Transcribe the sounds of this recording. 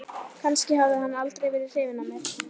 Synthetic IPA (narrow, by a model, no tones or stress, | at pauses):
kʰanscɪɦavðɪɦanːalt̪ɾejvɪːðɪð̥r̥ɪːvɪnːamɛɾ